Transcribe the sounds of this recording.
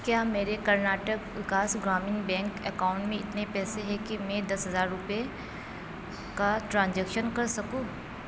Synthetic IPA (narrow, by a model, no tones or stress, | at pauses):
kjaːmeːɾekɐɾnaːʈəkʋɪkaːsɡɾaːmɪnbɛ̃ːŋkɛkaːʊ̃ɳʈmẽɪt̪nepɛːseɦɛkimɛ̃d̪ɐsɦɐzaːɾːʊpe | kaʈɾãːnd͡ʒɛːkʃənkɐɾsɐkũː